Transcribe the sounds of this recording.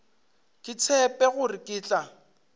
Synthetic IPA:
kʼɪt͡sʰɛpʼɛɣʊrɪkʼɪːt͡ɬʼa

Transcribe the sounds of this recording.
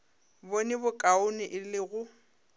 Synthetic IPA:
bonɪbʊkʼaʊnɪʔɪlɪɣʊ

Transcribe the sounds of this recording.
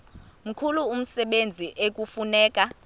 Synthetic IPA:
m̩kʰuluːm̩sɛɓend͡zʱiʔek̬ʼufunɛːkʼa

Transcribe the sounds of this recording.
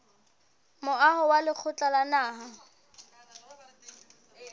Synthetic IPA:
mʊahʊwalɪk͡xʰʊt͡ɬʼalanaːɦa

